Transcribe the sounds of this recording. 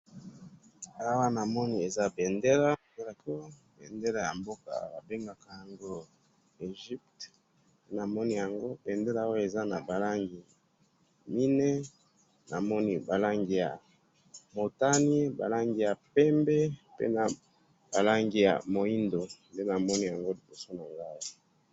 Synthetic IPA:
a˦wa˦na˨mɔ˦ni˦e˨za˦be˨nde˦la˦˨˦a˨ko˦ | bḛ˨nde˦la˨ja̰˨mbo˦ka̰˨˦ba˨be˦ŋɡa˨ka˨ja˨ŋɡo˦ | e˨ʒi˦pt | pe˦na˨mɔ˦ni˦˨ja˨ŋɡo˦be˨nde˦la˦o˦e˨za˦na˨ba˨la˦ŋɡi˨ | mi˦nɛ˦ | nʔa˨mɔ˦ni˦ba˨la˦ŋɡi˨ja̰˨ | mo˨ta˦ni˦ba̰˨la˦ŋɡi˨ja˨pɛ˦mbe˦pḛ˦na˨ | b̥a˨la˦ŋɡi˨ja̰˨mo˨i˦ndo˨nde˦na˨mɔ˦ni˦ja˨ŋɡo˦li˨bo˨so˦na˨ŋɡa˦i˦

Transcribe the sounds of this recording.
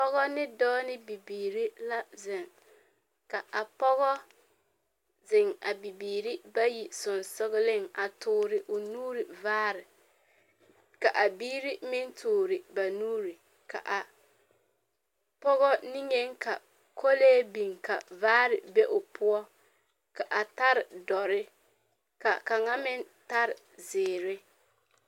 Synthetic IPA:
pɔ˦ɣɔ˦nɪ˦dɔː˦nɪ˦bi˨biː˨ɾi˦la˦zɪ˨ŋ | ka˨ʔa˨pɔ˦ɣɔ˦ | zɪ˨ŋa˨bi˨biː˨ɾi˦ba˦ji˨sʊ˨nsʊ˦ɣɪ˦lɪ˦ŋa˨tʰʊː˨ɾɪ˨ʔʊ˨nuː˦ɾɪ˨vaː˦ɾɪ˨ | ka˨ʔa˨biː˦ɾi˦mɪ˦ntʰʊː˨ɾɪ˨ba˨nuː˦ɾi˨ | ka̰˨ʔa˨ | pɔ˦ɣɔ˦nɪ˦ɲe˦ŋka˨ | kʰo˦leː˦bi˨ŋka̰˨vaː˦ɾɪ˨bɛ˦ʔʊ˨pʰʊ˦ɔ˦ | ka˨ʔa˨ta˦ɾɪ˨dɔ˨ɾɪ˦ | ka̰˨ka˨ŋa˦mɪ˦n | ta˦ɾɪ˨ | zɪː˨ɾɪ˦

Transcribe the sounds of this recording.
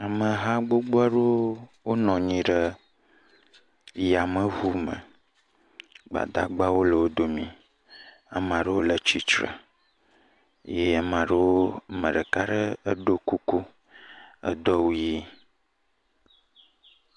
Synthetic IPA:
a˨mə̃˨ɦã˦ɡ͡bo˦ɡ͡bo˦a˦ɖo˦wo˦nɔ̃˨ɲĩ˨ɖə˦ | ja˨mə̃˨ɦu˦mə̰̃˨ | ɡ͡ba̰˨d̪a̰˨ɡ͡ba˦wo˦lə˨wo˦d̪o˨mĩ˨ | a̰˨mã˨ɖə˦wo˦lə˨t͡ʃi˦t͡ʃɾə̰˨˦ | je˦a˨mã˨ɖə˦wo˦mə̰̃˨ɖə˨ka˦ɖə˦ə˦ɖo˦ku˦ku˦ | ə̰˦d̪ɔ˦wu˦ji˦

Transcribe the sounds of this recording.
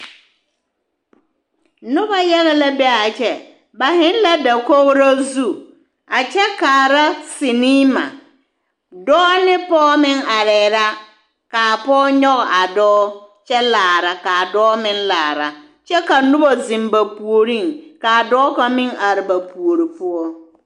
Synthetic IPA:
nʊ˦ba˦jɛ˦la˦la˦bɛ˦a˨t͡ʃɛ˦ | ba˨hɪ˦n˦la˦da˨ko˦ɣɾa˦zu˦ | a˨t͡ʃɛ˦ka˨ɾa˦sɪ˨niː˦ma̰˨ | dɔː˦nɪ˦pɔː˦mɪ˦ŋa˨ɾɛː˨ɾa˦ | ka˨pɔː˦ɲɔ˦ɣa˨dɔː˦t͡ʃɛ˦laː˨ɾa˨ka˨dɔː˦mɪ˦nlaː˨ɾa˨ | t͡ʃɛ˦ka˨nʊ˦ba˨zɪ˨mba˨pu˨o˨ɾi˦˨ŋka˨dɔː˦ka˨mɪ˦ŋa˨ɾɪ˨ba˨pu˨o˨ɾi˨pʊ˦ɔ˦

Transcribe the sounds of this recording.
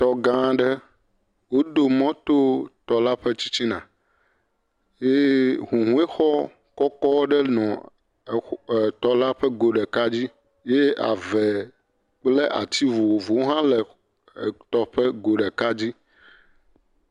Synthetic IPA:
t̪ɔ˨ɡã˦ɖə˦ | wo˦d̪o˨mɔ̃˦t̪o˦t̪ɔ˨la˦ɸə˦t͡ɕi̥˦t͡ɕi˦nã̰˨ | je˦ɦũ˨ɦũ˦e˦xɔ˦ | kɔ˦kɔ˦wɖɛ˦nɔ̃˨ | t̪ɔ˦la˦ɸɛ˦ɡo˨ɖɛ˨ka˦d͡ʑi˦ | je˦a̰˨vɛ˨ | k͡ple˦ʔa˨t̪i˦vu˨wo˨vo˨wo˦ɦã˦lɛ˨ | t̪ɔ˨ɸə˦ɡo˨ɖɛ˨ka˦d͡ʑi˦

